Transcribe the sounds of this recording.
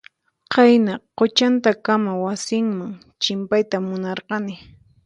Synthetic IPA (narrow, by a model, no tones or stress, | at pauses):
qɑjnaqot͡ʃant̪akamawasɪŋmaŋ | t͡ʃɪmpajt̪amʊnɑɾqɑnɪ